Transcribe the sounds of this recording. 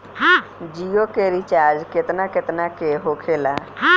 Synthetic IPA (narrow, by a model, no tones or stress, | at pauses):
ɦãd͡ʒijokeɾit͡ʃaɾd͡ʒket̪naket̪nakeɦokʰela | ɦã